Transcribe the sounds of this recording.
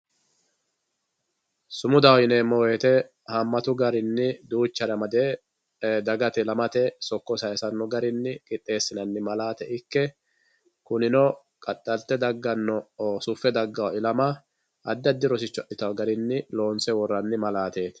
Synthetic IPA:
sʊmʊd̪ɐwɪneːmːɔweːt̪ɛ | hɐmːɐt̪ʊɡɐɾɪnːɪd̪uːt͡ʃːɐɾɐmɐd̪eː | d̪ɐɡɐt̪ɛlɐmɐt̪ɛsɔkːɔsɐjsɐnːɔɡɐɾɪnːɪkʼɪt̪ʼːe̞ːsːɪnɐnːɪmɐlaːt̪ɛʔɪkːɛ | kʊnɪnɔ | kʼɐtʼːɐlt̪ːɛd̪ɐɡːɐnːɔsʊfːɛd̪ɐɡːɐwɐɪlɐmɐ | ʔɐd̪ːɐd̪ːɪɾɔsɪt͡ʃːʊɐʔɪt̪ɐwɐɡɐɾɪnːɪlo̞ːnsɛwɔrːɐnːɪmɐlaːt̪eːt̪

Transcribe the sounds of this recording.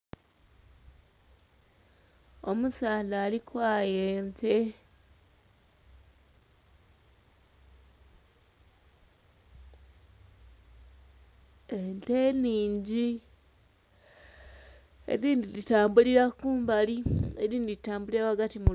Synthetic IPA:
o̞musaːlaːlikwaːjeːnte̞ | ente̞niːɲɟi | ḛɾiːndilitaːmbuliɾakuːmbalieɾiːndiɾitaːmbuliɾaβaɡatimu

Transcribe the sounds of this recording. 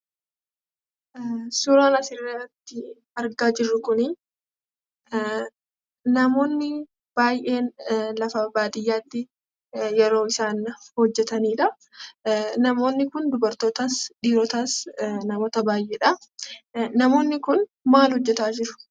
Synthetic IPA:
sʊɾaːnɐsɪrːɐt̪ːɪ | ɐɾɡaːd͡ʒɪrːʊkʊni | nɐmo̞ːnːɪ | b̥aːjʔe̞ːnlɐfɐbaːd̪ɪjːaːt̪ːɪ | jɛɾo̞ːɪsaːnhɔd͡ʒːɛt̪ɐniːᶑɐ | nɐmo̞ːnːɪkʊnd̪ʊbɐɾt̪o̞ːt̪aːsᶑiːɾɔːt̪aːsnɐmo̞ːt̪ɐbaːjʔeːᶑɐ | nɐmo̞ːnːɪkʊn | maːlhɔd͡ʒːɛt̪aːd͡ʒɪɾʊ̥

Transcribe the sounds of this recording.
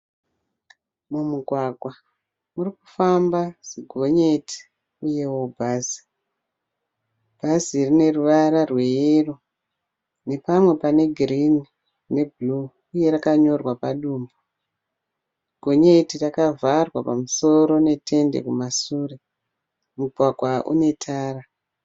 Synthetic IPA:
mumuɡʱwaɡʱwa | murikufambaz̥iɡʱo̞ɲeti̥ | uje̞woubʱazi̥ | b̥ʱazirine̞ruʋaɾarwe̞jero | ne̞pamwe̞pane̞ɡʱrini | ne̞bʱluː | je̞ɾakaɲo̞rwapaɗuːmbo | iɡʱo̞ɲe̞tirakavarwapamuso̞ɾo̞ne̞tʰe̞nde̞̰kumasuːre | muɡʱwaɡʱwaʔṵne̞tʰaːra

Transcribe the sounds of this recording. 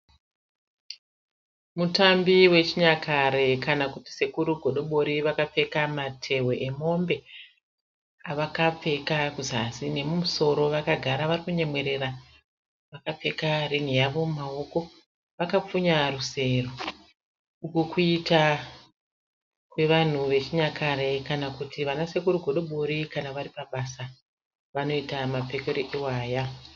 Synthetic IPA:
mutambiwe̞t͡ʃiɲakʰaɾe̞kanakuti̥se̞kuɾuɡʱo̞ɗo̞ɓo̞ɾiʋakap͡fe̞kamatʰe̞we̞ʔemo̞mbe̞ | aʋakap͡fe̞kakuzasine̞mumuso̞ɾo̞ʋakaɡʱaɾaʋarikuɲe̞mwe̞ɾe̞ɾa | ʋakap͡fe̞karin̤ujaʋo̞umao̞ko̞ | ʋakap͡fuɲaruse̞ro | ukukʰuita | kwe̞ʋan̤uʋe̞t͡ʃiɲakʰaɾekanakutiʋanase̞kuɾuɡʱo̞ɗoɓoɾikanaʋaɾipaɓasa | ʋano̞itamap͡fe̞keɾoʔiwaːja

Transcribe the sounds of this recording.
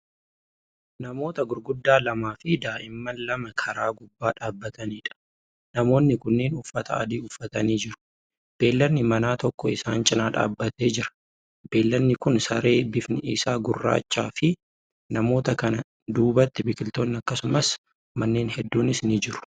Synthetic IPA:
nɐmo̞ːt̪ɐɡʊɾɡʊd̪ːaːlɐmaːfɪd̪aːʔɪmːɐlɐmɐkʰɐɾaːɡʊbːaːᶑaːbːɐt̪ɐniːᶑɐ̥ | nɐmo̞ːnːɪkʊnːeːnʊfːɐt̪ʰɐ̰ɐ̰d̪iːʊfːɐt̪ɐniːd͡ʒɪɾʊ̥ | b̥e̞ːlːɐnːɪmɐnaːt̪ɔkːɔɪsaːnt͡ʃʼɪnaːᶑa̰ːbːɐt̪e̞ːd͡ʒɪɾɐ̥ | b̥e̞ːlːɐnːɪkʊnsɐɾe̞ːbɪfnɪɪ̰saːɡʊrːa̰ːt͡ʃːa̰ːfɪ | nɐmo̞ːt̪ɐkɐnɐ | d̪uːbɐt̪ːɪbɪkʼɪlt̪oːnːɪɐkːɐsʊmɐs | mɐnːe̞ːnhɛd̪ːuːnɪsnɪd͡ʒɪɾʊ̥

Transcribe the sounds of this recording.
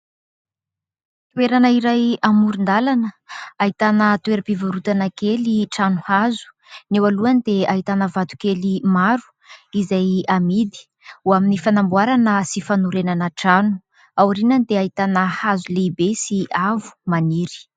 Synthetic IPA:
t̪uweɾanəiɾajamuɾund̪alanəait̪anət̪ueɾəpivaɾut̪anakeliʈ͡ʂanuhazu̥ | newaluand̪eait̪anəvat̪u̥kelimaɾu̥ | izajamid̪i̥ | uaminifanambuaɾanəsifanuɾenanəʈ͡ʂanu̥ | awuɾinand̪eait̪anəhazuleibesiavu̥maniɾi̥

